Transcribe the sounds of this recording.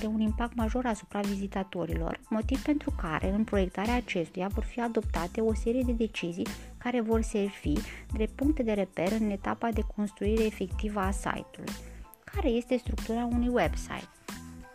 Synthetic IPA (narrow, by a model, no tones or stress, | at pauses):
d̪e̞unimpak̚t̪maʒo̞ɾasu̥pɾavizit̪at̪o̞ɾilo̞̰rmo̞t̪ivpe̞nt̪ɾuka̰ɾe̞̰ɨnpɾo̞je̞kt̪aɾeaːt͡ʃe̞st̪ujavo̞rfiad̪o̞p̚t̪at̪e̞o̞se̞ɾije̞d̪ed̪e̞t͡ʃizijkaɾe̞vo̞rse̞rv̥id̪ɾepuŋk̚t̪e̞d̪e̞ɾe̞pe̞ɾɨne̞t̪a̰pad̪e̞kʰo̞nst̪ɾuiɾe̞ːfe̞kt̪ivəasa̰jt̪ulṵj | kʰaɾe̞je̞st̪e̞st̪ɾuk̚t̪uɾaunujwe̞bsa̰jt̪̚